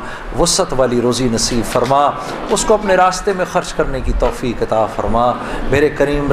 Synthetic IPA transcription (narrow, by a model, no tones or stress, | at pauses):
ʋʊsət̪ʋaːliɾoːzinɐsiːbfɐɾma | ʊskoɐpneɾaːst̪emẽxɐɾd͡ʒkɐɾnekit̪ɔːfiːkɐt̪aːfɐ̰ɾmaː | meːɾekɐɾiːmɾ